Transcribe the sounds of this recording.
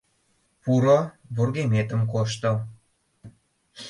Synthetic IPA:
puɾoβurɣemet̪əmkoʃ̬t̪ə

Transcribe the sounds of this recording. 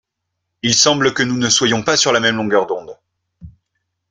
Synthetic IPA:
ilsɑ̃bləkənunəswajɔ̃pasyʁlamɛmlɔ̃ɡœʁd̪ɔ̃d̪

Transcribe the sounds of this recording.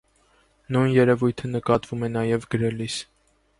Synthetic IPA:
nujnjɛɾɛvujt̪ʰənəkɑt̪vumɛnɑjɛvɡəɾɛlis

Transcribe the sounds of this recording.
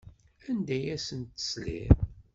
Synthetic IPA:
ænd̪æjæsənt̪ə̥slḭm

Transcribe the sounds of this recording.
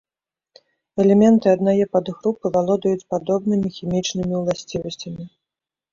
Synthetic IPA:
ɛlʲɛmʲɛnt̪ɨad̪najɛpɐd̪ɣɾupɨvalˠɔd̪ɐjut͡sʲpad̪ɔbnɨmʲixʲimʲit͡ʂnɨmʲiwlˠasʲt͡sʲivɐsʲt͡sʲɐmʲi

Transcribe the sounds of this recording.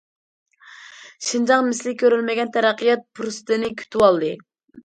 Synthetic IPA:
ʃind͡ʒɑŋmɪslɪkʲʰːøɾylmɪɡʲɛnt̪ʰæɾæqʰəjɛt̪̚pʰɾust̪ɨnɪkʲʰy̥t̪ʰywɑlˠd̪ɨ

